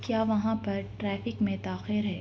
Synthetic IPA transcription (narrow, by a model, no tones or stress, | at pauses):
kjaːʋɐɦãpɐɾʈɾɛːfɪkmẽt̪aːxɪɾɦɛː